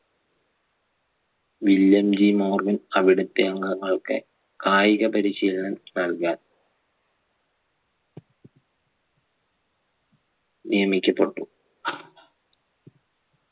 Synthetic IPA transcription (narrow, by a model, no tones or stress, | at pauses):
ʋilːɐmd͡ʑimoːrʋinɐʋiɽut̪ːejɐŋːɐŋɐɭkɨ̰ | kaːjiɣɐpɐɾiɕiːlɐnɐnnɐlkaːl | nijɐmikʲːɐpːeʈːu